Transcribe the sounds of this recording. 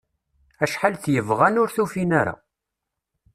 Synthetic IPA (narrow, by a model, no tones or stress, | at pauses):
æʃħalθjəvʁænʊɾθufinaɾa̰